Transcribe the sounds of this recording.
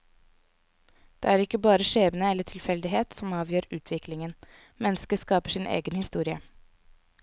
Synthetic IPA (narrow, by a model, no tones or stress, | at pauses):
d̪̥ḛːæːɾɪkːəbɑːɾəʂeːbənəɛlːəʈʰɪlfɛld̪ɪɦeːt̪sɔmɑːʋjøːɾʉːt̪ʰʋɪklɪŋən | mɛnːəskəskɑːpəʂɪnʔḛːɡənhɪst̪uːɾɪə